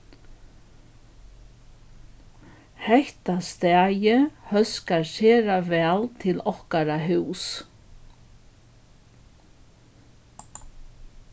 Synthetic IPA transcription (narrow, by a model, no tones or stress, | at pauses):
hɛht̪ast̪ɛːjɪhœskaɾsɛːɾavɛːlt̪ʰɪlɔhkaɾaɦʏws